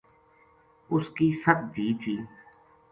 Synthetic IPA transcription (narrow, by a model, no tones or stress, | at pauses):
ʊskiːsəb̪̚d̪iːd͡ʒiː